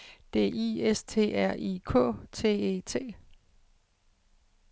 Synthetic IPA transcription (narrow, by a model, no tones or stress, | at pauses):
d̥e̝̰ːiest͡sʰe̝̰ːæɐ̰ʔikʰɔ̰̽ːt͡sʰe̝̰ːe̝̰ːt͡sʰe̝̰ː